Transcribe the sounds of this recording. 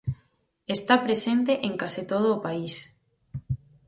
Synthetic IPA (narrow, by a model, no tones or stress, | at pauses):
est̪apɾesent̪eʔeŋkasit̪oð̞oːpais